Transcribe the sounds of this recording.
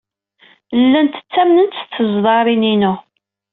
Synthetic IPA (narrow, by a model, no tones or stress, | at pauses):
lːænt̪ə̥t͡sːæmnənt͡s̪θəzðˤɑɾˤininu